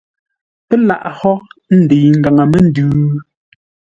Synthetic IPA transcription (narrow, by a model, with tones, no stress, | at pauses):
pɛ˦la̰˦˨ʔhɔ˦n̩˦˨de˨ŋ̩˨ɡa˨ŋa˨me˦n̩˦dʉː˦